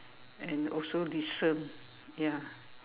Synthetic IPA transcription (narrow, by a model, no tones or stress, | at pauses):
ɛ̃nɔsodisə̃n | ja